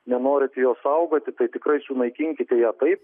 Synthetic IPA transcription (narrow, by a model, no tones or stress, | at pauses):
nʲɛnoːɾʲɪt̪ʲɪjoːssɐʊɡoːt̪ʲɪt̪ɐɪt̪ʲɪkɾɐɪsʊnɐɪkʲɪŋʲkʲɪt̪ʲɛjæːt̪ɐɪp̚